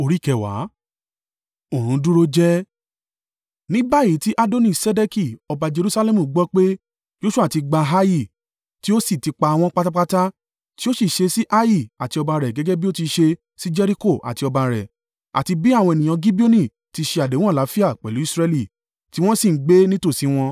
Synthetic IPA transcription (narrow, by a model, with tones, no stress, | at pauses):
o˧ɾi˦˨kɛ˨wa̰˨˦ | o˨ɾ̃ũ˨˧du˦ɾo˦d͡ʒɛ˦ | nĩ˦ba˦˨i˨˦ti˦ʔa˦do˦nĩ˦˨sɛ˦de˦ki˨ɔ˧ba˧d͡ʒe˧ɾu˦sa˧lɛ˦mũ˨˦ɡ͡bɔ˦k͡pe˦ | jo˦ʃu˦a˦˨ti˧ɡ͡ba˧ɦa˦ji˦˨ | ti˦o˦si˦˨ti˧k͡pa˧a˧w̃ɔ̃˧k͡pa˦ta˦k͡pa˦ta˦ | ti˦o˦si˦˨ʃe˧si˦ʔa˦ji˦˨a˨ti˧ɔ˧ba˧ɾɛ˨ɡɛ˨˦ɡɛ˦bi˦o˦ti˧ʃe˧ | si˦d͡ʒɛ˧ɾi˦ko˦˨ʔa̰˨ti˧ɔ˧ba˧ɾɛ̰˨ | a̰˨ti˧bi˦a˦˨w̃ɔ̃˧ɛ˨nĩ˨j̃ã˧ɡi˦bi˦o˦nĩ˨ | ti˧ʃe˧a˨dẽ˨˦ũ˦a˦˨la˨˦fi˦a˦˨k͡pɛ˨lu˨˦i˦sɾɛ˧li˦˨ | ti˦w̃ɔ̃˦si˦˨˦ɡ͡be˦nĩ˦to˦˨si˨˦w̃ɔ̃˧